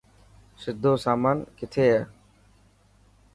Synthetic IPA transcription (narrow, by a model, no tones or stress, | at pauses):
sɪd̪ʱːosamankɪt̪ʰeja